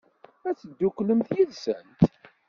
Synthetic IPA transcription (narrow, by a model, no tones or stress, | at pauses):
æt͡sːəd̪ːukʷːləmθjiðsənt̪